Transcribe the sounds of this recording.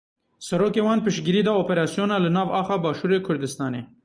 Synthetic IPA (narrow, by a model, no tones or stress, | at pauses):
saɾokewɑnpɪʃɡɪɾid̪aopeɾɑsjonalənɑvɑxabɑʃuɾekʰʊɾd̪ɪst̪ɑne